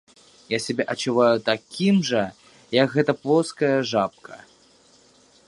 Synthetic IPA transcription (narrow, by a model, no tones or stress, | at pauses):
jasʲabʲɛʔɐt͡ʃuvajut̪akʲimʐɐ | jɐkɣɛt̪ɐplˠɔskɐjɐʐap̚kʰɐ